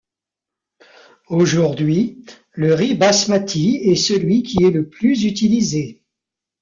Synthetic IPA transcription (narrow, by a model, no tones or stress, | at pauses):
oʒuʁd̪ɥi | ləʁibasmat̪ʰiɛsəlɥikʲiɛləplyzyt̪ilize